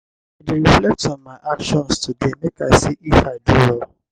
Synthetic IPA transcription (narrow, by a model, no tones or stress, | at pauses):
adeɾiflɛk̚tɔ̃nmaʔakʃɔ̃nstudenĩkasiʔifadulɔ